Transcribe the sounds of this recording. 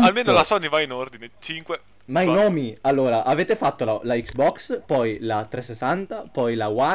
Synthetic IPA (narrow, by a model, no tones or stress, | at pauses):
almeːnolasɔnːivainord̪inet͡ʃiŋkwe | mainɔːmialːoːɾaʔaveːt̪efat̪ːolalaiksbɔkspɔjlat̪ɾesːesant̪apɔjlawa